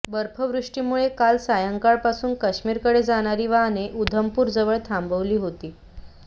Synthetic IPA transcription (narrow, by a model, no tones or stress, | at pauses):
bəɾpʰəʋɾuʂʈiːmuɭekalsajəŋkaɭpasuːnkəɕmiːɾkəɽed͡zaɽ̃aɾiːʋaneʔud̪ʱəmpuːɾd͡zəʋəɭt̪ʰambəʋliːɦot̪iː